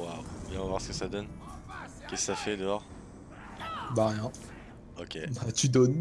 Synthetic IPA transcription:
wawbjɛ̃avwaʁsə̥kəsad̪ɔn | kʲɛskə̥safɛd̪əɔʁ | baʁjɛ̃ | okʲebat̪yd̪ɔn

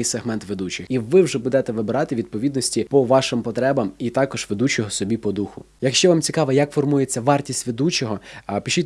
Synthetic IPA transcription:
ɪjseɦmɛnt̪ʋed̪ut͡ʃɪxiʋɪwʒɛbud̪ɛt̪ɛʋɪbɪɾɑt̪ɪʋʲid̪̚pɔʋʲid̪nɔsʲtʲipɔʋɑʃɪmpɔt̪ɾɛbɐmit̪ɑkɔʒ̥ʋed̪ut͡ʃɔɦɔsɔbʲipɔd̪uxʊ | jɐkʃt͡ʃɛʋɑmt͡sʲikɑʋɛjɐkfɔrmujet͡sʲːɐʋɑrtʲisʲtʲʋed̪ut͡ʃɔɦɔpʲiʃit̪ʲ

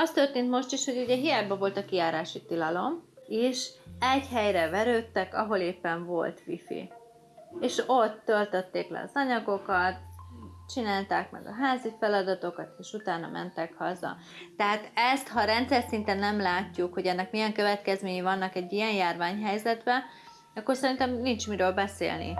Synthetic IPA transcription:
ɒst̪ørt̪eːnt̪mo̞ʃt̪iʃho̞ɟuɟɛɦijaːbɒvo̞lt̪ɒkijaːɾaːʃit̪ilɒlo̞miʃɛɟhɛjrɛvɛɾøːt̪ːɛkɒ̰ɦo̞leːpːɛɱvo̞̰lt̪ʋḭfḭ | eːʃo̞t̪ːølt̪øt̪ːeːklɛ̰ɒ̰zɒɲɒɡo̞kɒt̪̚t͡ʃinaːlt̪aːkmɛ̰ɡɒ̰ɦaːzifɛlɒd̪ɒt̪o̞kɒt̪eːʃut̪aːnɒ̰mʔɛ̰nt̪ɛkhɒzɒ̰ | t̪ɛɦaːt̪ɛst̪hɒɾɛnt̪sɛrsint̪ɛnːɛmlaːcːukho̞ɟɛnːɛkmijɛŋkø̞vɛt̪kɛzmeːɲivɒnːɒkɛɟːijɛnjaːrvaːɲɦɛjzɛd̪bɛ | ɒkːo̞rsɛɾint̪ɛmnint͡ʃmiɾøːlbɛsḛːlnḭ

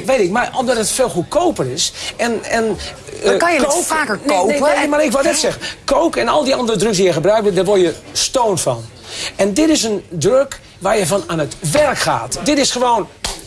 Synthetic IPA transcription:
ʋejtɪk̚maromdɔtətfeːlˠxut̚kʰowpərɪsɛnɛn | kkoaːkənoemarɪkʋɔdɛtsɛɣənkowkɛnɔlˠdiɔndərədrøksdijɛxəbrœɥk̚ʋɪdarʋorjəstoːntfɔ̰n | ɛndɪtɪs̬əndrøk | ʋarjəfɔnaːnətʋɛrkχa̰ːtdɪtɪsχəʋoːn

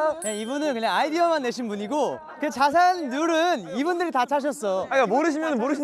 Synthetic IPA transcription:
jeibunɯnkɯɲaŋaidiʌmanːe̞ɕʰinbuɲiɡo | ɯet͡ɕas̬ʰanːuɾɯnibundɯɾitat͡ɕʰaɕ̬ʰʌs͈ʌaikamoɾɯɕ̬ʰimjʌnɯnmoɾɯɕ̬ʰi

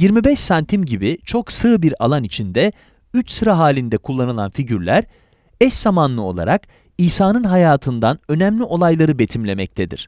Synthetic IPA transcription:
jiɾmibɛʃsant̪ʰimɟibit͡ʃʰo̞ksɯːbiɾa̰lˠanit͡ʃʰind̪ɛ | yt͡ʃsɯɾaɦaːlʲind̪ɛkʰulˠːanɯlˠanfiɟyɾlʲæɾ | ɛsz̥amanlˠɯo̞̰lˠa̰ɾak | iːsaːnɯnɦajaːt̪ʰɯnd̪anø̞nɛmlʲiʔo̞lˠajlˠaɾɯbe̞t̪ʰimlʲe̞mɛc̚t̪ʰed̪ḭɾ̥

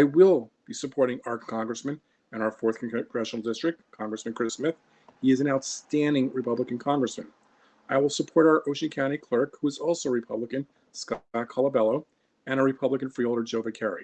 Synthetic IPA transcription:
aɪwɪlˠb̥isɨpʰɔɹɾɪ̃ŋɑɹkʰɑ̃ŋɡɹɨsmɨ̃n | ɨ̃ɾ̃aʊə˞fɔɹθkʰɨ̃nɡ̥ɹɛʃn̩l̩ˠdɪstɹ̥ɨk̚tkʰɑ̃ŋɡɹɨsmɨ̃nkʰɹ̥ɪsmɪθ | hiɨzɨ̃naʊtstæ̃ndɪ̃ŋɹɨpʰʌbləkɨ̃n̩kʰɑ̃ŋɡɹɨsmɨ̃n | aɪwəlˠsəpʰɔɹɾaʊə˞ʔoʊʃɨ̃nkʰãʊɾ̃ikʰl̥ɜ˞khuɨzɔlˠsoʊəɹɨpʰʌbləkɨ̃n | skɑkʰɑlˠəbɛlˠoʊ | ɨ̃ɾ̃əɹɨpʰʌbləkɨ̃nfɹiolˠdə˞d͡ʒoʊvɨkʰɛɹḭ

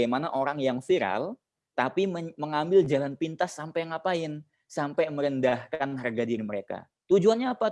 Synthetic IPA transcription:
amanaʔoɾaŋjaŋfiɾa̰l | t̪apiməməŋambɪld͡ʒalanpint̪asːampajaŋapaɪn | sampajməɾəndahkanɦarɡadiɾiməɾeka̰ | t̪ud͡ʒuanɲaːpa

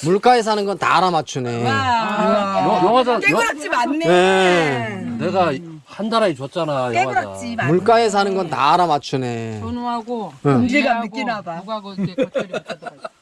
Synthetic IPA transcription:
muɭk͈aes̬ʰanɯnɡʌnta̰ɾamat͡ɕʰune̞ | jjʌŋad͡ʑajt͡ɕimanːje | neɡa | handaɾait͡ɕʌt̚t͡ɕ͈anajt͡ɕ͈imuɭk͈aes̬ʰanɯnɡʌntaɾamat͡ɕʰune̞onoɦaɡojend͡ʑiɡamik͈inadoɡa

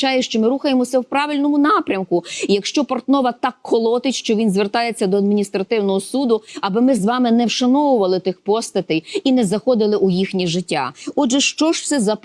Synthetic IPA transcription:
t͡ʃɑjɛʃt͡ʃɔmɪɾuxɐjemɔsʲɐwpɾɑʋɪlʲnɔmʊnɑpɾʲɐmkʊjɐkʃt͡ʃɔpɐrt̪nɔʋɐt̪ɑkʰːɔlˠɔt̪ɪtʲʃt͡ʃɔʋʲinzʋert̪ɑjet͡sʲːɐd̪ɔɐd̪mʲinʲist̪ɾɐt̪ɪwnɔɦɔsud̪ʊɐbɪmɪzʋɑmɪnɛwʃɐnɔʋʊʋɐlˠɪt̪ɪxpɔst̪ɐt̪ɪjinɛzɐxɔd̪ɪlˠɪʔʊjixnʲiʒɪtʲːa̰ɔdʒɛʃt͡ʃɔʒwsɛzɐ

